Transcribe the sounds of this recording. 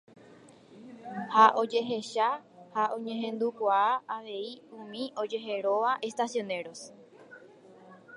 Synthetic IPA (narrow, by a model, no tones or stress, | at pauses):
haʔo̞d͡ʒe̞ɦe̞ʃahaʔõ̞ɲẽ̞ɦẽ̞nd̪ukʷaaaʋe̞iũmĩʔo̞d͡ʒe̞ɦe̞ɾo̞ʋaʔe̞st̪asjõ̞ne̞ɾo̞s